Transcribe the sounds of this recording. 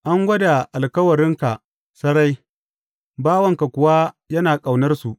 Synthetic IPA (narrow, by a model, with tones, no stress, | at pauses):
ʔa˦ŋɡʷɐ˦da˨ʔa˨lkɐ˦wɐ˨ɾɪ˦ŋka˨ | sɐ˦ɽa˦j | baː˦wɐ˦˨ŋka˨kʷʊ˨wa˦jɐ˦naː˨kʼa˨wnɐ˦rsu˨ʔ